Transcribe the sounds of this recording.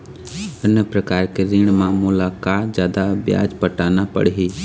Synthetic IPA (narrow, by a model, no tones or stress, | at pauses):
ənəpɾəkaːɾkeɾĩːɽ̃mãːmʊlakad͡ʒjaːd̪abja̰ːd͡ʒpəʈaːnapɐ̰ɽɦi